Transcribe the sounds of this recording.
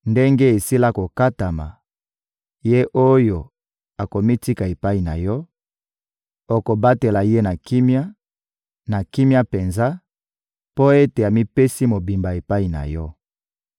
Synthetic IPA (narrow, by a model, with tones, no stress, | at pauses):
nde˦ŋɡe˦e˨si˦la˦ko˨ka˦ta˨ma̰˨ | je˦ʔo˦jo˨ | a˨ko˨mi˦ti˦ka˨e˨pa˦i˨na̰˨jɔ˦ | o˨ko˨ba˦te˨la˨je˦na˨ki˦mja˦ | na˨ki˦mja˦pe˨nza˦ | po˦e˦te˨a˨mi˦pe˦si˦mo˨bi˨mba˨e˨pa˦i˨na̰˨jɔ˦